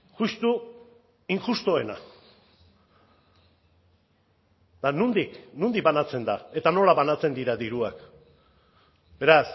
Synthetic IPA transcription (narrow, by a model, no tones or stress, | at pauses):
ʝust̪u | iŋxust̪oe̞na | t̪anund̪iknund̪ik̚banat͡se̞nd̪ae̞t̪ano̞laβanat͡se̞nd̪iɾaðiɾuak | be̞ɾas